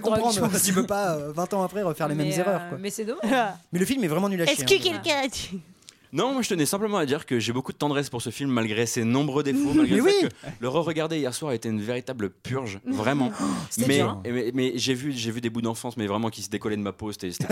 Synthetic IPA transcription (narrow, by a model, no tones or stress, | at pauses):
kɔ̃pχɑ̃d̪ʁt̪ypøpaøvɛ̃t̪ɑ̃apχɛʁəfɛʁlemɛmzeʁœʁkwamɛsɛd̪ɔmaʒmɛləfilmɛvʁɛmɑ̃nylaskəkɛlkɛ̃t̪y̥ | nɔ̃mwaʒət̪ənɛsɛ̃pləmɑ̃ad̪iʁkəʒebokud̪ət̪ɑ̃d̪ʁɛspuʁsəfilmːalɡʁesenɔ̃bʁød̪efomalɡʁewisələʁəʁəɡaʁd̪eijɛʁswaʁaet̪eynveʁit̪abləpyʁʒvʁɛmɑ̃mɛɛmɛʒevyʒevyd̪ebud̪ɑ̃fɑ̃smɛvʁɛmɑ̃kʲisəd̪ekɔlɛd̪əmapose̥t̪ɛse̥t̪ɛ